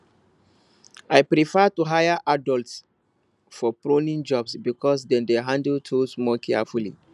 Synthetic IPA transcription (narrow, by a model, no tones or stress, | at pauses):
ajpɾifɛtuɦajaʔadɔlts | fɔpɾõnĩnd͡ʒɔbsbikɔs̬dɛ̃ndeɦãndltʰusmɔkʰɛfulḭ